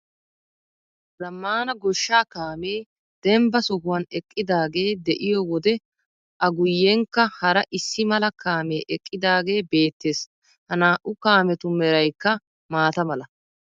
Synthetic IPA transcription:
zɐmːaːnɐɡɔʃːaːkaːmeː | d̪̥ɛmbɐsɔhʊwɐnɛkʼːɪd̪aːɡe̞ːd̪ɛʔɪjɔwɔd̪ɛ | ʔɐɡʊjːeŋkːɐhɐɾɐʔɪsːɪmɐlɐkaːmeːʔɛkʼːɪd̪aːɡe̞ːbe̞ːt̪ːe̞ːs | hɐnaːʔʊkaːmɛt̪ʊmɛɾɐjkːɐ | maːt̪ɐmɐlɐ

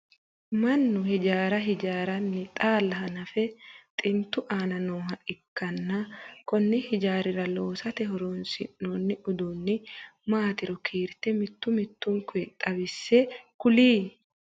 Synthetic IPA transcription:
mɐnːʊɦɪd͡ʒaːɾɐɦɪd͡ʒaːɾɐnːɪt̪ʼaːlːɐɦɐnɐfɛt̪ʼɪnt̪ːʊʔaːnɐnoːɦɐᶑɪkːɐnːɐkɔnːɪhɪd͡ʒaːɾɪɾɐlo̞ːsɐt̪ɛɦɔɾoːnsɪ̰nːoːnːɪʔʊd̪unːɪmaːt̪ɪɾɔkʰeːɾt̪ɛmɪt̪ːʊmɪt̪ːʊŋkʊɛt̪ʼːɐbɪsːɛkʊliː

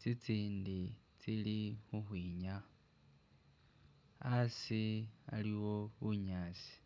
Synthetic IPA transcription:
t͡sit͡siːndi | t͡silixuxwiːɲa | asia̰liwo̞βuɲaːsi̥

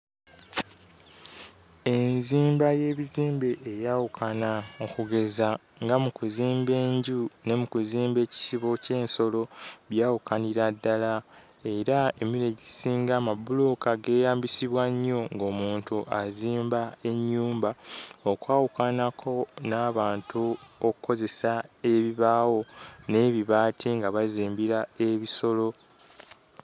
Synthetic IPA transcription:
e̞nziːmbaje̞ːβiziːmbe̞ʔːjawukʰanaokuɡe̞za | ŋɡamukuziːmbe̞ːɲɟune̞mukuziːmbe̞ːci̥siβo̞ce̞ːnso̞lo̞βjaːwukaniɾadːala | e̞ɾae̞miɾe̞ɟisiːŋɡaːmabuluːkaɡe̞ːjaːmbisiβwaɲːo̞ŋɡo̞ːmuːntuʔaziːmbae̞ɲːuːmbaokwaːwukanakʰo̞naːβaːntʰuokuko̞ze̞sae̞βiβaːwo̞ne̞βiβaːtʰiŋɡaβaziːmbiɾae̞βiso̞lo̞

